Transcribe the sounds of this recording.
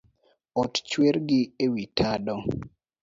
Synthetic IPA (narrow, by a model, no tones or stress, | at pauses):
ɔtt͡ʃweɾɡɪewitʰadɔ